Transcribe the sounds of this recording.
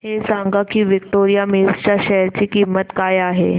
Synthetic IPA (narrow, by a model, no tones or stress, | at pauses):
hesaŋɡakiːʋik̚ʈoɾijamewst͡ɕjaɕɛjəɾt͡ɕiːkimːət̪kajaɦe